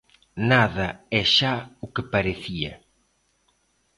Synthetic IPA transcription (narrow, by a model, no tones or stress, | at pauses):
naðɐɛʃaʊkɪpaɾeθiɐ̰